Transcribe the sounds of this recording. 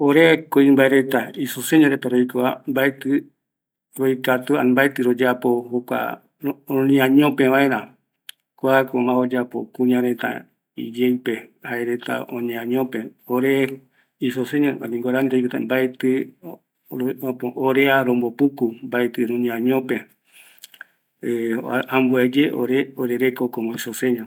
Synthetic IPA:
oɾeakoimbaeɾet̪aisoseɲõɾet̪aɾoikoambaet̪ɨ | ɾoikat̪ua̰mbaet̪ɨɾod͡ʒapohokʷã̰ | nĩãɲõpẽβaeɾã | kʷakomãod͡ʒapokuɲãɾet̪ã̰ | ḭd͡ʒejpehaeɾet̪a̰õɲẽãɲõpẽoɾe | isoseɲãanĩŋɡoɾanid̪ed͡ʒkɨt̪ambaet̪ɨ | põʔoɾeaɾombopukumbaet̪ɨɾũɲĩãɲõpẽ | eambued͡ʒeʔo̰ɾeoɾeɾekokomõisosẽɲã

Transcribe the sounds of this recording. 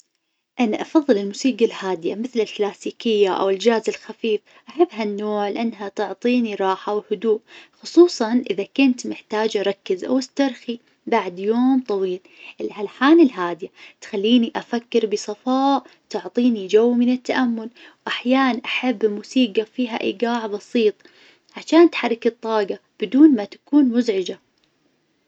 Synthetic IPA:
ʔanaʔɑfɑðˤːɨlɪlmuːsiːɡalhaːd̪ɪja̰mɪθlɪlklaːsiːkɪjːaʔa̰wɪld͡ʒaːzɪlxafiːf | ʔaħabːɦanːoːʕlɪʔɪnːɦat̪ʊʕt̪ˤiːniɾˤɑːħawhʊd̪uːʔxʊsˤuːsˤɑnʔɪðakʊnt̪mɪħt̪aːd͡ʒɾˤɑkːɪzʔa̰wɪst̪ɑɾˤxi | baʕd̪joːmt̪ˤɑwiːl | ʔɪlʕalħaːnɪlɦaːd̪ɪjat̪xalːiːniʔafakːɪɾbɪsˤɑfɑːʔt̪ʊʕt̪ˤiːnid͡ʒawːmɪnɪt̪ːaʔamːʊlwʔaħjaːnanʔaħabːmuːsiːɡafiːɦa̰ʔḭːɡaːʕbɑsiːt̪ˤ | ʕaʃaːnt̪ħɑrˤːɪkɪt̪ˤːɑːɡɑb̥ɪd̪uːnmat̪ḁkuːnmʊzʕɪd͡ʒa

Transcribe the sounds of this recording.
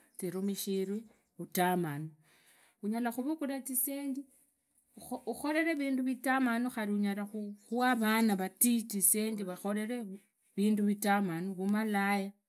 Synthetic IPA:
t͡siɾumiʃiɾwi | utamano | uɲalaxuβukulatiseːɲdi | uxo̞ɾe̞ɾe̞βiːnduβitamanoxaɾiuɲalaxuxuaβanaβatitiseːndiβaxo̞ɾe̞ɾe | βiːnduβitamanuβumalaja

